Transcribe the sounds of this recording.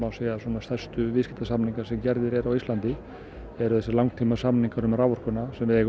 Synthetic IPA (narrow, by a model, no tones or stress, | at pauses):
aseːjasɔːnast̪ḁst̪ʏvɪscɪt̪asamniŋkaɾ̥sɛmcɛɾðɪɾɛɾawist̪lant̪ɪ | ɛɾʏθɛsɪlawŋkt̪ʰiːmasamniŋkaɾʏmɾaːwvɔr̥kʏnasɛmvɪðjɛɣ